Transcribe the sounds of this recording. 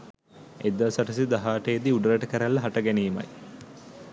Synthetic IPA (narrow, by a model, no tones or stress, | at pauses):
ed̪ːasɐʈɐsid̪ɐɦaːʈejːd̪iuɖɾɐʈəkəɾælːɐɦɐʈɐɡæniːmɐ̰j